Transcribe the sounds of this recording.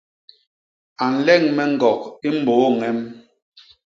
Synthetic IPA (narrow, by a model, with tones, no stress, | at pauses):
a˨n̩˨lɛ˦˨ŋmɛ˦ŋ̩˨ɡɔ˨k̚i˦m̩˦bo˨˦ŋɛ˦m